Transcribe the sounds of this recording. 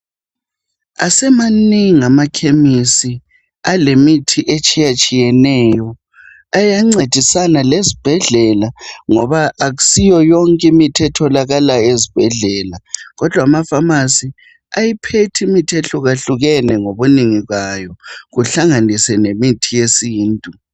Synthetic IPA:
a̰sɛmaniŋiamakʰemisi | alemitʰiʔet͡ʃʼijat͡ʃʼijɛnɛjɔ | ajaŋ͡ǀed̥ʱisanalezib̥ʱɛɮɛlaŋɔβaʔːɣusijɔjɔŋkʼimitʰɛtʰɔlaɣalaezib̥ʱɛɮɛːlaɣɔd̥ʱwamafamasi | ajipʰetʰimitʰieɬuɣaɬuɣɛnɛŋoβuniŋiɣajɔɣuɬaŋanisɛnemitʰijesiːntʼu

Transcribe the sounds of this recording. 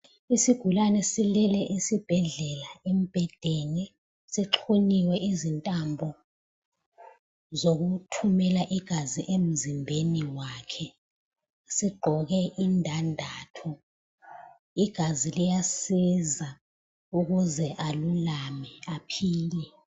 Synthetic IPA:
isiɡ̥ʱulanɛsilɛlɛʔisib̥ʱɛɮɛlaem̩b̥ʱɛd̥ʱɛnɛ | siǁʰuniwɛʔizintʼambʱɔ | zoɣ̬utʰumɛlaʔiɡ̥ʱaziʔem̩zimbʱeniwaːkʰɛ | siɡ͡ǃʱɔɣɛʔindʱandʱaːtʰɔ | iɡ̥ʱazilijasiza | uɣuzɛʔalulamɛapʰiːlɛ

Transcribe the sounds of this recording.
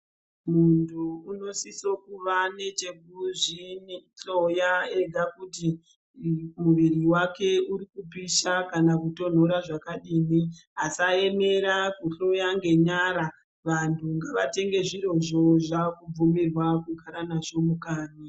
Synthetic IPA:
muntʰuːno̞siso̞kuʋane̞t͡ʃeɡʱuʐinɬojaed͡zʱakuti | muʋiriwake̞uɾikupiʃakanakuto̞n̤o̞ɾaʐakaɗiːniɦasae̞me̞ɾakuɬojaŋɡe̞ɲaɾa | ʋantʰuŋɡaʋate̞ŋɡe̞ʐiɾo̞ʐo̞ʐakub͡vumirwakuɡʱaɾanaʐo̞mukaːni

